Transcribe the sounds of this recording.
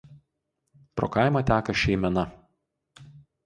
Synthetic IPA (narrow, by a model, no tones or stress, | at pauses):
pɾo̰ːkɑɪmɐt̪ʲæːkɐʃʲɛɪmʲɛnɐ